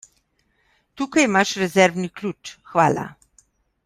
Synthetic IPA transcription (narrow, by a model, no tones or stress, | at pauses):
t̪uːkajimaʃɾɛzɛɾwniklʲut͡ʃxʋaːla̰